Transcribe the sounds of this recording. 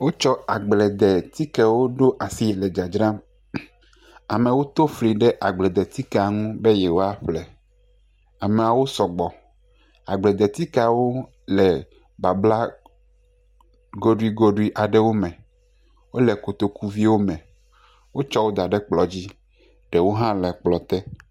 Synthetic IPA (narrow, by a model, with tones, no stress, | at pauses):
wo˦t͡ʃɔ˦a˨ɡ͡blɛ˨d̪ɛ˨t̪i˦kɛ˦wo˦ɖo˦ʔa˨si˦je˨lɛ˨d͡ʒa˨d͡ʒɾã˦m | a˨mẽ˨wo˦t̪o˦fli˨ɖɛ˦ʔa˨ɡ͡blɛ˨d̪ɛ˨t̪i˦ke˦˨a˨ŋũ˦be˦jɛ˨wo˦a˦ɸlɛ˨ | a˨me˨a˨wo˦sɔ˨ɡ͡bɔ˨ | a̰˨ɡ͡blɛ˨d̪ɛ˨t̪i˦ka˨wo˦ | lɛ˨ | ba˨bla˦ | ɡo˦ɖu˦i˦ɡo˦ɖu˦i˦ʔa˨ɖɛ˦wo˦mɛ̃˨ | wo˦lɛ˨ko˨t̪o˨ku˦vi˦wo˦mɛ̃˨ | wo˦t͡ʃɔ˦wo˦d̪a˨ɖɛ˦k͡plɔ˨d͡ʑi˦ | ɖɛ˨wo˦ɦã˦lɛ˨k͡plɔ˨t̪ɛ˦